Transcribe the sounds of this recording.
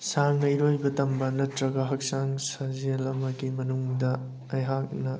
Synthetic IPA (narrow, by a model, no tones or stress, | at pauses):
saŋnɐiɾojbɐtɐmbɐnɐtɾɐɡɐɦɐk̚saŋsɐzielɐmɐɡimɐnuŋdɐ | ɐjɦak̚nɐ